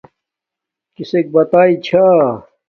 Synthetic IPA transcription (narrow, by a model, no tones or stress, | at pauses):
kisek̚bɐt̪aːit͡ɕʰaː